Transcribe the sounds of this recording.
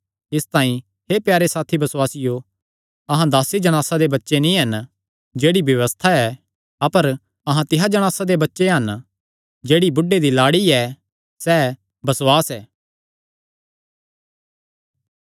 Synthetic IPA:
ɪst̪ãːĩ | hepjaːɾesaːt̪ʰibɐswaːsɪjo | ɐɦãd̪aːsed͡ʒɐɽ̃aːsad̪ebɐtːʃenĩɦɐn | d͡ʒeːɽibjɐʋəst̪ʰaɛ | ɐpəɾ | ɐɦãt̪ɪɦad͡ʒɐɽ̃aːsad̪ebɐtːʃeɦɐn | d͡ʒeːɽibʊɖːed̪ilaːɽiɛ | sɛː | bɐswaːsɛː

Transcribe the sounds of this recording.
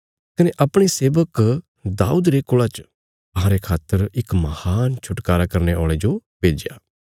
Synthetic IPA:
kɐneʔɐpɽ̃iseːʋək | d̪aːuːd̪ɾekʊɭaːt͡ʃ | ɦãːɾekʰaːt̪ːəɾɪkmɐhaːnt͡ʃʰʊʈkaːɾakɐɾneɔːɭed͡ʒobʱeːd͡ʒja̰ː

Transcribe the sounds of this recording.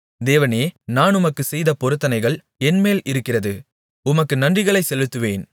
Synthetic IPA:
d̪eːʋɐneːnaːnʊmɐkːɯsɛjðɐpɔɾɯt̪ːɐnɐɪɣɐɭ | ɛnmeːlʔɪɾɯkːɪrɐðɯ | ʊmɐkːɯnɐndrɪɣɐɭɐɪsɛlɯt̪ːɯʋeːn

